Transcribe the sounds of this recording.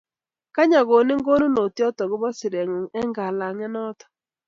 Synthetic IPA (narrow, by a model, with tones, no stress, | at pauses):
ka˦ɲa˨ɡo˨nɪ˦ŋɡo˦nu˦no˨tjɔ˦tɔ˨ɡɪ˦bɔ˦sɪ˨ɾɛ˨ŋo˨ŋɛ˦ŋɡa˨la˨ŋɛ˦nɔ˦tɔ̥˨